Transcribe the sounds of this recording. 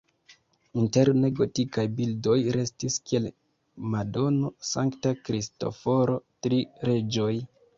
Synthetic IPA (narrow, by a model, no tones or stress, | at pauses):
inte̞ɾne̞ɡotikajbildo̞jɾe̞stiskie̞l | mado̞no̞saŋktakɾisto̞̰fo̞ɾo̞tɾiɾe̞d͡ʒo̞j